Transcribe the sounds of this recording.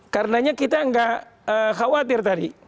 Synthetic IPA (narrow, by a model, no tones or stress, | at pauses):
karənaɲakit̪aəŋɡaʔ | əxawat̪̬ɪrt̪adi